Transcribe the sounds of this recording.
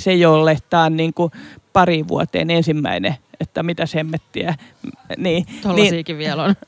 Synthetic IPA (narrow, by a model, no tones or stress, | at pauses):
sejolːeht̪ɑːnniːŋkupɑriːʋʋṵɑt̪ḛːnensimːæ̰ineet̪ːæmit̪æshemːet̪ːiæ | niːt̪olnːsiːkiʋʋiælon